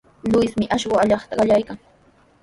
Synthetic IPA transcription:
lʊjsmɪʔaʃɢʊaʎɑχt̪aɢɑʎajkaŋ

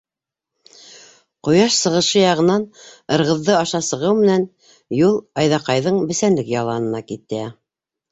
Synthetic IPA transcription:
qojɑʃsɤ̆ʁɤ̆ʃɤjɑʁɤ̆nɑnɤ̆ɾʁɤ̆ðːɤɑʃɑsɤ̆ʁɤwmɘ̆næn | julˠɑjðɑqɑjðɤɴbɘ̆sænlɘkjɑlˠɑnɤ̆nɑkit̪ːæ

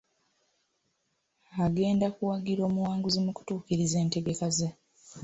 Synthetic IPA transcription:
aɡe̞ːndakuwaɡiɾo̞ːmuwaːŋɡuzimuku̥tuːkiɾize̞ːnte̞ɡe̞kaze

